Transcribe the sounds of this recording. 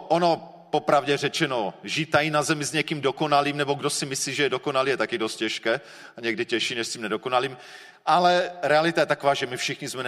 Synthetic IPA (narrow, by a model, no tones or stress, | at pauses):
ʔono̞ | popɾavɟɛrɛt͡ʃɛnoʒit̪ajinazɛmɪzɲɛkiːmdoko̞naliːmnɛboɡdosɪmɪsliːʒɛjɛdoko̞naliːjɛt̪akɪdo̞st̪̚cɛʃkɛː | aɲɛɡdɪcɛʃiːnɛʃsciːmnɛdoko̞naliːm | ʔalɛɾɛalɪt̪ajɛt̪akovaːʒɛmɪfʃɪxɲɪzmɛn